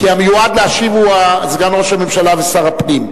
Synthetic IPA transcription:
kiamejuad̪leaʃivuazeɡamʁoʃamemʃalavesaʁapnim

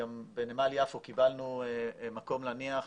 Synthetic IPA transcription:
ambenemaljafukibalnumako̞mlaniaχ

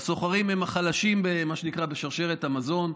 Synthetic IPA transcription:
so̞χaʁimhemaχalaʃimbemaʃenikʁabe̞ʃaʁʃe̞ʁet̪amazo̞n

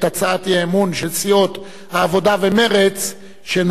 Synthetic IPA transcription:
tat͡saat̪jeemunʃelt͡sio̞t̪ | haːvo̞d̪aveme̞ʁet͡s | ʃen

